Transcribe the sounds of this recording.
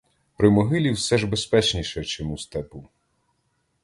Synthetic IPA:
pɾɪmɔɦɪlʲiwsɛʒbespɛt͡ʃnʲiʃɛt͡ʃɔmust̪ɛpu

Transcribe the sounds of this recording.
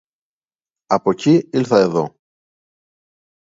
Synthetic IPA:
ɐpo̞ciilθɐe̞ðo̞

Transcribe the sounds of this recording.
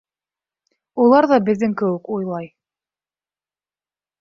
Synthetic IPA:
ulˠɑɾðɑbɘ̆ðːɘŋkɘ̆wɘkujlˠɑj

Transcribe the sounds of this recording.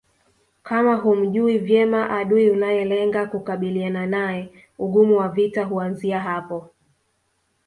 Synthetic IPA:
kamaɦum̩ʄuivjɛmaʔaɗuiunajɛlɛŋɡakukaɓiliananajɛ | uɠumuwavitaɦuanziaɦapɔ

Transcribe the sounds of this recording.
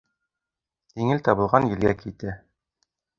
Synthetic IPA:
d̪iŋɘlt̪ɑbɤ̆lˠʁɑnjɘ̆lɡækit̪æ

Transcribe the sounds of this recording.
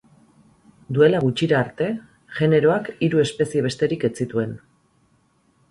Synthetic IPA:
d̪ue̞laɣut͡ʃiɾaːɾt̪e̞ | ʝe̞ne̞ɾo̞akiɾue̞spe̞sie̞β̞e̞st̪e̞ɾike̞t͡sit̪ue̞n

